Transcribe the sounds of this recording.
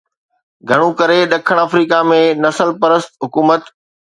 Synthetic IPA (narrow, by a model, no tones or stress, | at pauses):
ɡʱɐɽ̃ũkɐɾeɗɐkʰəɽ̃aːfɾiːkamẽnɐsəlpɐɾəst̪ɦʊkuːmət̪